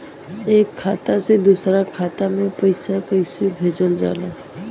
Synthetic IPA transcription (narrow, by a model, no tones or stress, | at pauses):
eːkʰːat̪ased̪usɾakʰat̪amẽpəɪsakəjsebʱed͡ʒəld͡ʒa̰la